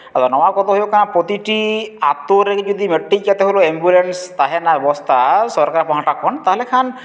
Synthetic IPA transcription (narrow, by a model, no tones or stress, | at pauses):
at̪ɔnɔwakɔt̪ɔɦojokanapɾɔt̪iʈia̰t̪oɾed͡ʒɔd̪imeʈːikjat̪eɦoloembjulenst̪aɦɛnabɛbɔst̪ʰasɔɾkaɾapɔɦaʈakʰɔnt̪aɦɔlekʰan